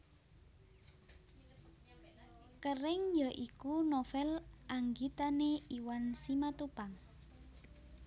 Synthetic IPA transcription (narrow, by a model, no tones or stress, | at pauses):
kərɪŋjaʔikunofɛlʔaŋɡit̪aneiwansimat̪upaŋ